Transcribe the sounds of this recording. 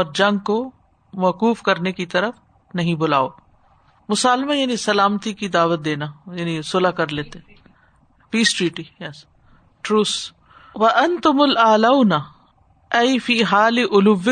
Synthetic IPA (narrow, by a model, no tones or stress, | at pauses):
ɔːɾd͡ʒɐ̃ŋɡ̚ko | mɐkuːfkɐɾnekit̪ɐɾəf | nɐɦĩbʊla̰ːo | mʊsaːlmajaːnisɐlaːmt̪ikid̪aːʋət̪̚d̪eːnajaːnĩsʊlakɐɾleːt̪e | piːsʈɾiːʈijɛs | ʈɾuːs | ʋɐʔɐnt̪ʊmʊlaːlaʊna | ɐjfiːɦaːlɪʔʊlʊʋːɪ